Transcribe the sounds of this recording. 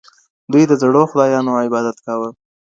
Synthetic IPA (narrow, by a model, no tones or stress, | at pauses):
d̪ujd̪əzɽoxʊd̪ɑjɑnoɪbɑd̪at̪kawə